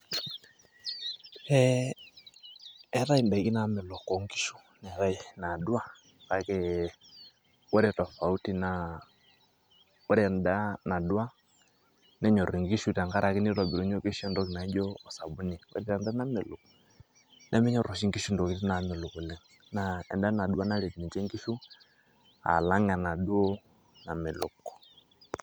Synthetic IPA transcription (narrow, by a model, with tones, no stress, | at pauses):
ɛ˦ | ɛ˦ɾa˦i˨nba˨i˨ki˦na˨˦mɛ˨lɔ˨kɔ˨ŋɡi˦ʃu˦ | nɛ˨ɾa˦i˨na˨dwa˦˨ | ka˨˦ke˦ | wɛ˦ɾɛ˦˨tɔ˨fa˨u˦ti˦na˨ | wɔ˦ɾɛ˦˨nda˦na˨du˦a˦ | nɛ˦ɲɔ˨ɾi˨ŋɡi˦ʃu˦ta˨ŋɡa˦ɾa˨ki˦ni˦ɾɔ˨bi˨ɾɔ˨˦ɲɔ˦ki˦ʃɛ˦ndɔ˦ki˨na˨˦d͡ʒɔ˦ɔ˨sa˨bu˦ni˨wɛ̰˦ɾi˦ta˨nda˦na˦mɪ˨lṵ˨kɔ˨ | nʔɛ˦mɛ˦ɲɔ˦ɾɔ˨ʃi˦ŋɡi˦ʃu˦ndɔ˨ki˦tɛ˦na˨mɛ˨lʊ˨ku˨lɛ˨ŋ | na˨ɛ̰˨nda˦na˨du˦a˦na˦lɛ˨tmi˨t͡ʃɛ˦ŋɡi˦ʃu˦ | a̰˨la˦ŋa˨na˨du˦ɔ˦ | na˨mɪ˨lʊ̰˨kɔ̥˨